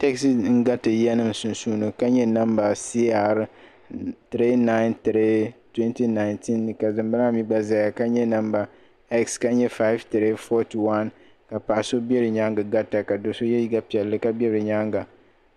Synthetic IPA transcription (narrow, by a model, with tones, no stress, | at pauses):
tɛ˦ksi˦ŋ̩˦ɡa˦tɨ˨jɛ˦nɨ˦m˨sʊ˨nsuː˦nɨ˨ka˦ɲɛ˦na˦mba˨si˦a˨ɾ | tɨ˨ɾe˦na˦ɪ˦ntɨ˨ɾe˦twɛ˦nti˦na˨ɪ˨ntʰi˦nːɨ˨ka˨zɨ˨mbɨ˦ɾa˦mi˦ɡ͡ba˦za˨ja˨ka˦ɲɛ˦na˦mba˨ | ɛ˦kska˦ɲɛ˦fa˦ɪ˦vtɨ˨ɾe˦fɔ˦ti˨wa˦n | ka˨pa˨ʔa˨so˦bɛ˦ɾɨ˨ɲa˦ŋɡɨ˨ɡa˦ta˨ka˨do˨so˦jɛ˦ji˦ɡa˦pi˨ɛ˨lːɨ˦ka˦bɛ˦ɾɨ˨ɲa˦ŋɡa˨